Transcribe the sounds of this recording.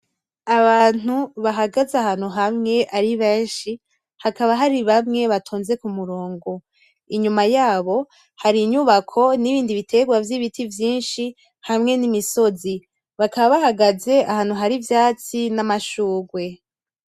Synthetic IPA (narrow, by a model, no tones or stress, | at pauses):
aβaːn̥uβaɦaɡazahaːn̥uɦamŋe̞ʔaɾiβeːnʃi | hakaβaɦaɾiβamŋe̞βatʰoːnze̞kumuɾoːŋɡo | iɲumajaːβo̞ | haɾiɲuβakʰo̞niβiːndiβitʰe̞ɡwavjiβitʰivjiːnʃi | hamŋe̞nimiso̞zi | βakaβaβaɦaɡaze̞ahaːn̥uɦaɾivjaːt͡sinamaʃuːɡwe̞